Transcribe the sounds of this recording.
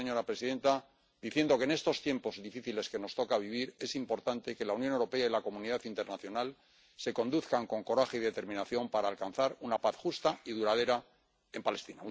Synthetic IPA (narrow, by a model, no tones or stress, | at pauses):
eɲo̞ɾapɾe̞siðe̞nt̪a | d̪iθje̞nd̪o̞keːne̞st̪o̞st̪je̞mpo̞zðifiθile̞ske̞no̞st̪o̞kaβ̞iβ̞iɾe̞simpo̞ɾt̪ant̪e̞ke̞launjonewɾo̞pe̞ailako̞mũniðaθint̪e̞ɾnaθjo̞nal | se̞ko̞nd̪uθkaŋko̞ŋko̞ɾaχe̞iðe̞t̪e̞ɾmĩnaθjo̞mpaɾaːlkan̟θaɾunapaθxust̪aiðuɾað̞e̞ɾa | e̞mpale̞st̪ina